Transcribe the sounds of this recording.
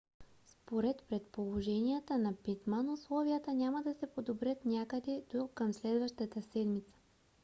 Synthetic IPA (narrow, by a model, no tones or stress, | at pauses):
spoɾɛt̪pɾɛt̪polˠoʒɛniət̪ənɐpit̪manʊslˠɔvijət̪ənʲaməd̪ɐsɛpod̪obɾʲət̪nʲakəd̪ɛd̪̥okəmslɛd̪vəʃt̪ət̪əsɛd̪mit̪sə̥